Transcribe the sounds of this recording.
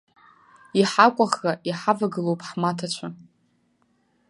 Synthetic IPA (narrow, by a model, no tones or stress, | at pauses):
iħakʷʼaχraʔiħavaɡɨlowpʼħmatʰat͡ɕʷʰa